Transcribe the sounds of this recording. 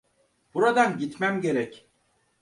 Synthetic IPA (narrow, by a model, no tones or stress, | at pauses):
b̥uɾad̪anɟit̪mæmɟe̞ɾɛc